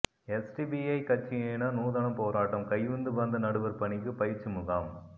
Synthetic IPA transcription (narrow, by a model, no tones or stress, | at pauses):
ɛsʈibiɐɪkɐt͡ʃːɪjeːnaːnuːðɐnɐmpoːɾaːʈːɐmkɐjʋɯnd̪ɯʋɐnd̪ɐnɐɽɯʋɐɾpɐɳɪk̬ːɯpɐjɪɾt͡ʃːɯmʊɣaːm